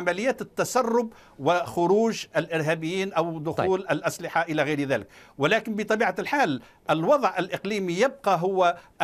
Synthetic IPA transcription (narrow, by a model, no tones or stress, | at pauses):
amælɪjːæːt̪ɪt̪ːasɑrˤːʊb | wɪxʊɾuːʒɪlʔɪɾɦæːbɪjːiːnʔawd̪ʊxuːlʔælʔaslɪħaʔɪlæɣɪjɾðæːlɪkwɪlæːkɪnbɪt̪ˤɑbiːʕalħaːl | ʔɪlwɑðˤʕʔɪlʔɪqliːmijɪb̚qɑɦʊwːʔ